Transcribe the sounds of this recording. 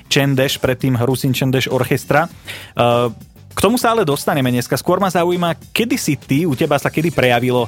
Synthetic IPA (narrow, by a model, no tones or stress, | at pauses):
t͡ʃɛnd̪ɛʃpɾɛt̪ːiːmɦɾusint͡ʃɛnd̪ɛʒɔɾxɛst̪ɾa | kt̪ɔmusaalɛd̪ɔst̪aɲɛmɛɲɛskaskʊɔɾmazauiːmakɛd̪isit̪iucɛbasakɛd̪ipɾɛjaʋilɔ